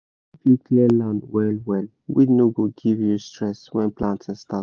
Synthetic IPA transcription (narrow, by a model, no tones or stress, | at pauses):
fikliəlãnwɛlwɛl | winoɡoɡivjustɹɛswɛ̃nplãntʰɛ̃nsta